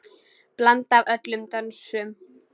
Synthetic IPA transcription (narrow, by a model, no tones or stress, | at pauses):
plant̪avœt̪lʏmt̪œnsʏ